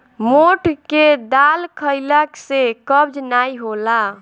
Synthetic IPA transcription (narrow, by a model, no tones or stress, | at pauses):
moʈʰked̪alkʰəɪləksekəbd͡ʒnaiɦola